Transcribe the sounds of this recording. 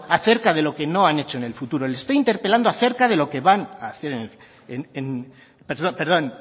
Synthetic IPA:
aθe̞ɾkaðe̞lo̞ke̞no̞ane̞t͡ʃoene̞lfut̪uɾo̞elest̪aint̪e̞ɾpe̞land̪oaθe̞ɾkaðe̞lo̞ke̞βanaːθe̞ɾenel | enen | peɾðope̞ɾðo̞n

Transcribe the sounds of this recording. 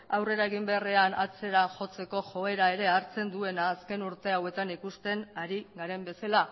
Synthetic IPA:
awre̞ɾaeɣimbereanat͡se̞ɾaʝo̞t͡se̞ko̞ʝo̞e̞ɾae̞ɾe̞aɾt͡se̞nd̪ue̞naːske̞nuɾt̪e̞awe̞t̪anikust̪e̞naɾiɡaɾe̞mbe̞sala

